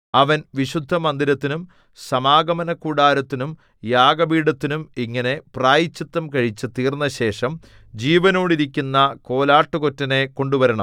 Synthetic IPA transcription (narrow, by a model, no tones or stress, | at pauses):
ɐʋɐnʋiɕud̪ʱːɐmɐnd̪iɾɐt̪ːinum | sɐmaːɡɐmɐnɐkːuːɽaːɾɐt̪ːinum | jaːɡɐbiːɽɐt̪ːinumiŋːɐne̞praːjit͡ɕːɐt̪ːɐmkɐɻit͡ɕːɨt̪iːrnːɐɕe̞ːʂɐm | d͡ʑiːʋɐno̞ːɽiɾikʲːunːɐko̞ːlaːʈːuko̞tːɐne̞ko̞ɳɖuʋɐɾɐɳɐ̰m